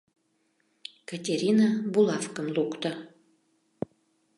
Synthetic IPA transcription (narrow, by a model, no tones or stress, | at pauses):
katʲeɾʲinabulɑfkəmlukt̪ə